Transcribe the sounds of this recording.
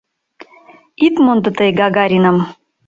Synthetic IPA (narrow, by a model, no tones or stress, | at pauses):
it̪mond̪ɤ̆t̪əjɡɑɡɑɾʲinəm